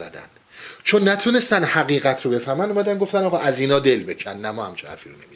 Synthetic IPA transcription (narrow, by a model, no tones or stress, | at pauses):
æ̰d̪æ̰nd̪̥t͡ʃʰonːæt̪ʰuːne̞st̪ænd̪hæɣiːɣæt̪ʰɾobe̞fæɾmænd̪omæd̪ænɡo̞ft̪ænɒːɣɒːʔæziːnɒːd̪e̞lbe̞cʰænnæmɒːhæmt͡ʃʰehæ̰ɾfiːɾonemis